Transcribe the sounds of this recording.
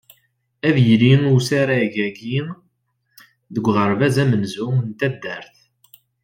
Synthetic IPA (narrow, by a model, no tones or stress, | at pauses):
æðjliŋusaɾaʝæɡi | ðəɡʷːʁəɾˤvæzæmənzunt̪æd̪ːəɾθ